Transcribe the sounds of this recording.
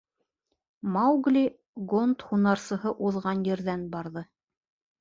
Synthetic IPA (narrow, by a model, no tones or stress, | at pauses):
mɑwɡlʲi | ɡont̪hunɑɾsɤ̆ɦɤʔuðʁɑnjɘ̆ɾðænbɑɾðɤ